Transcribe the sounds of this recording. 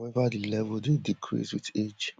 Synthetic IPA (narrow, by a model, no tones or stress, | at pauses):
ɛvadilɛvldedikʰɹḭswited͡ʒ